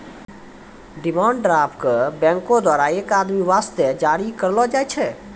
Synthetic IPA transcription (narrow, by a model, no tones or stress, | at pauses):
ɖɪmãːɳɖɖɾaːpkəbɛ̃ŋkõd̪waːɾaeːkaːd̪miʋaːst̪ɛd͡ʒaːɾikəɾlɔd͡ʒaːɛt͡ʃʰɛ